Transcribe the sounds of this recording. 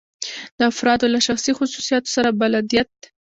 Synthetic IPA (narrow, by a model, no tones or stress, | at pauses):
d̪̥əafɾɑd̪olaʃaxsixʊsusijɑt̪o̥saɾabalad̪ijat̪̚